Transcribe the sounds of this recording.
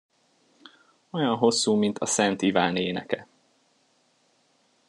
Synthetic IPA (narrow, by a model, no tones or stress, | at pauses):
o̞jɒnɦo̞sːuːmint̪ʰɒsɛnt̪ivaːneːnɛkɛ